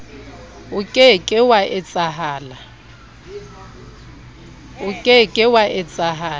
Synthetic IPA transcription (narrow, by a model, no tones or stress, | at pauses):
ʊkʼɪkʼɪwaʔɪt͡sʼaɦaːla | ʊkʼɪkʼɪwaʔɪt͡sʼaɦaː